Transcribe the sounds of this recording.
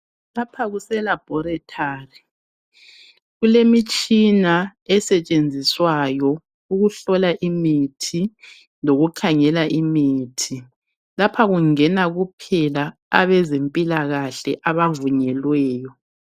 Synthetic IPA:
lapʰaɣusɛlab̥ʱɔɾɛtʰaːri | ɣulemit͡ʃʼinaɛsɛt͡ʃʼend͡zʱiswajɔ | uɣuɬɔlaʔimitʰi | noɣukʰaŋɛlaʔimiːtʰi | lapʰaɣuŋɛnaɣupʰɛla | a̰βɛzempʼilaɣaɬɛ̰ʔaβavuɲɛlwɛːjɔ

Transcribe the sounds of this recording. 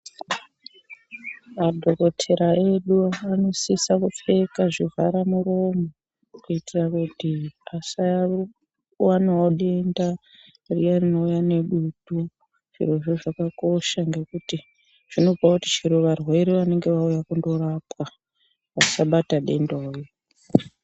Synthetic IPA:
madʱo̞ko̞tʰe̞ɾaʔe̞ɗuano̞sisakufe̞kaʐiva̰ɾamuro̞mo | kuitirakutiasa | wanooɗe̞nda | rijarino̞ujane̞ɗutu | ʐ̥ḭroʐoʐakako̞ʃaŋɡe̞kuti | ʐ̥ino̞pakutit͡ʃiɾoʋarwe̞ɾiʋane̞ŋɡe̞ʋaujakundo̞ɾapka | ʋasaɓataɗe̞ndoːjo

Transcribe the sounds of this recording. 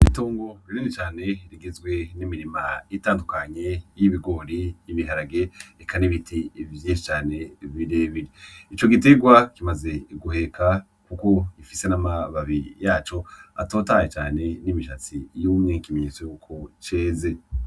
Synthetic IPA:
itoːŋɡo̞ɾiɾinit͡ʃaːne̞ɾiɡezɡwe̞nimiɾima̰itaːndukaɲe̞jiβiɡo̞ːɾiːβiɦaɾaɡe̞ekʰaniβitʰivjĩːnʃi̥t͡ʃaːne̞viɾeβiɾiit͡ʃo̞ɡite̞ɡwakimaze̞ɡuhe̞kʰa | kuko̞ifise̞namaβaβijaːt͡ʃo̞a̰to̞ːtaːjet͡ʃaːne̞nimiʃat͡sijuːmŋekimeɲet͡sojukʰo̞t͡ʃeːze

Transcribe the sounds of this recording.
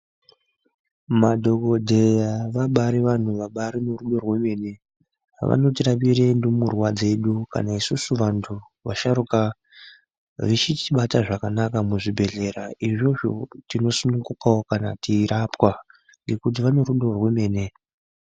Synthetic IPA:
madʱo̞ko̞dʱe̞jaʋaɓaɾiʋan̤uʋaɓaɾinoruɗo̞rwe̞me̞ːne̞̰ | ʋa̰no̞tirapiɾendomurwad͡ze̞ɗuka̰naisusuʋantʰu | ʋa̰ʃaɾuka | ʋit͡ʃitiɓataʐakanakamuʐibʱe̞ɮe̞ɾaiʐo̞ʐo̰tino̞sunuŋɡukaokanatiɾapwa | ŋɡe̞kut̬iʋano̞ɾuɗo̞rwe̞me̞ːne̞

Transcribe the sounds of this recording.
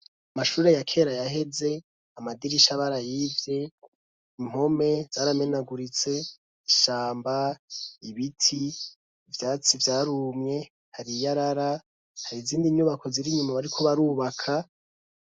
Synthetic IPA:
amaʃuːɾe̞jakʰe̞ːɾajaɦe̞ze̞ | amadiɾiʃaβaɾajivje̞ | im̥o̞me̞z̥aːɾame̞naɡuɾit͡se̞ | iʃaːmbaiβitʰi | vjaːt͡sivjaːɾuːmɲe̞ | haɾijaɾaɾa | haɾiziːndiɲuːβako̞ziɾiɲumaβaɾikʰo̞βaɾuːβakʰa

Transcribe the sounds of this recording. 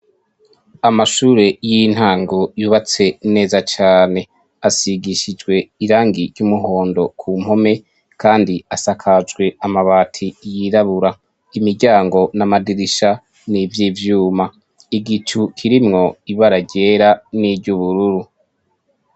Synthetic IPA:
amaʃuːɾe̞jin̥haːŋɡojuβat͡se̞ne̞ːzat͡ʃaːne̞ | asiɡiʃid͡ʒɡwe̞iɾaːŋɡiɾɟumuɦo̞ːndo̞kʰuːm̥ho̞me̞ | kʰaːndiasakʰad͡ʒɡwe̞amaβaːtʰijiɾaβuɾa | imiɾɟaːŋɡo̞namadiɾiʃa | nivjivjuːma | iɡit͡ʃukʰiɾimŋo̞iβaɾaɟe̞ːɾaniɟuβuɾuɾu

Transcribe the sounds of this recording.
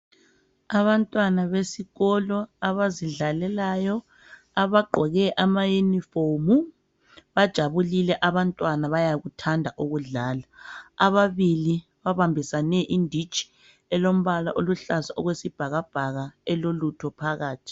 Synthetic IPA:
aβantʼwanaβesiɣɔlɔaβaziɮalɛlajɔ | aβaɡ͡ǃʱɔɣɛʔamajunifomu | βad̥ʒ̥ʱaβulilɛʔaβantʼwanaβajaɣutʰandʱaʔuɣuɮaːlaːβaβili | βaβambʱisanɛʔindʱi̥t͡ʃʰʼi̥ | ɛlom̩βala̰ʔoluɬasaʔɔɣwesib̥ʱaɣab̥ʱaɣaɛlolutʰɔpʰaɣaːtʰi̥

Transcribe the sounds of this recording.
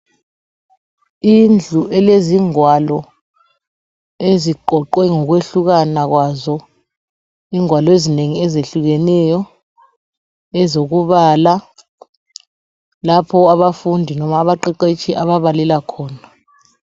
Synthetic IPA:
ind͡ɮʱuʔɛleziŋwalɔ | eziǃɔǃwɛŋɔk̬weɬuk̬anak̬wazɔ | iːŋwalɔezineŋiɛzeɬuɣ̬ɛnɛjɔ | ɛzok̬uβala | lapʰɔaβafundʱinɔmaːβaǃɛǃet͡ʃʰiʔaβaβalɛlakʰɔːna

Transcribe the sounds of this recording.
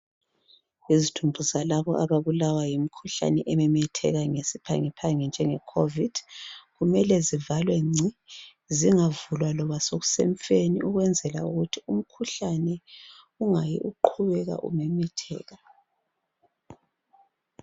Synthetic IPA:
izidʰʱumbʱuzalaβɔʔaβaβulawajimikʰuɬa̰nɛʔɛmɛmɛtʰɛ̰ɣaŋesipʰa̰ŋɛpʰaŋɛnd͡ʒʱɛŋɛkʰovid̥ɣumɛlɛzivalwɛŋ͡ǀi | ziŋavulwalɔβasoɣu̥seɱfeniʔuɣwɛnd͡zʱɛla̰uɣutʰium̩kʰuɬanɛ | uŋajḭʔuǃʰuβɛɣa̰ʔṵmɛmɛtʰɛ̰ːɣa

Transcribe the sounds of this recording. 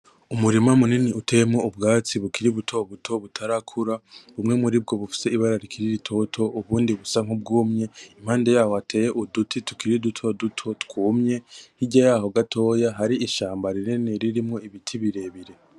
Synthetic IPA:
umuɾimamuniniutʰe̞jemŋoubɡaːt͡siβukiɾiβutʰo̞βutʰo̞βutʰaɾakʰuɾaβumŋe̞muɾib̚ɡo̞βufi̥se̞iβaɾaɾikʰiɾiɾitʰo̞tʰo̞ʔuβuːndiβusaŋubɡuːmɲe̞im̥haːnde̞jaːhoatʰe̞ːjeʔudutʰitu̥kiɾidutʰo̞dutʰo̞tkuːmɲe̞hiɟajaːɦo̞ɡatʰo̞ːjaɦaɾiʔːʃaːmbaɾinineɾiɾimŋoiβitʰiβiɾe̞βiɾe̞

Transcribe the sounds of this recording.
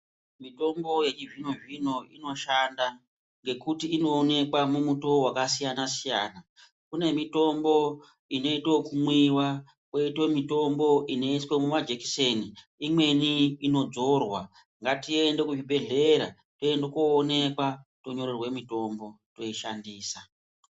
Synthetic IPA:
mito̞mbo̞je̞t͡ʃivino̞ʐino̞ino̞ʃanda | ŋɡe̞kutiːno̞ːne̞kwamumuto̞wakasijanasijaːna | kune̞mito̞mbo̞ | ino̞ito̞kumwiwa | kwe̞itwo̞mito̞mbo̞ʔine̞iswe̞mumad͡ʒeki̥seni | imwe̞niːno̞d͡zo̞rwa | ŋɡatie̞nde̞kuʐibʱe̞ɮeɾa̰ | toendokoːne̞kwatoɲo̞ɾerwe̞mito̞mbo̞ | to̞iʃa̰ndiːsa

